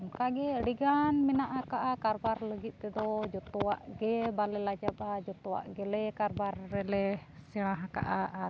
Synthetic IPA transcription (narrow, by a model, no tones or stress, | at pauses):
kaɡɛɽiɡanminaʔakaʔakaɾbaɾləɡit̪̚ˀt̪ɛd̪ɔd͡ʒɔt̪ɔwa̰ʔɡɛbalɛlad͡ʒabad͡ʒɔt̪ɔwa̰ʔɡɛlɛkaɾbarːɛlɛsiɽ̃ãɦaka̰ʔaa